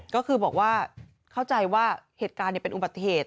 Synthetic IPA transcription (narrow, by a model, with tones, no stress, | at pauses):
kɔː˥˩kʰɯː˧bɔː˨˩k̚waː˥˩ | kʰa˥˩wt͡ɕa˧jwaː˥˩heː˨˩t̪̚kaː˧nːi˨˩pe˧nʔu˨˩ba˨˩t̪ːi˧˩heː˨˩t̪̚